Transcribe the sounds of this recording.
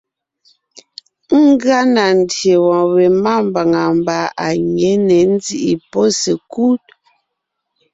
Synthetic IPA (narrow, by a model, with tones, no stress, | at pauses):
ŋ˦ɡa˦na˨n̩˨dje˨wɔ̃˨we˨ma˦˨mba˨ŋa˨mba˨˦a˨ɲɛ˨˦nɛ˨n̩˦zi˦ʔi˨po˦se˨ku˦t̚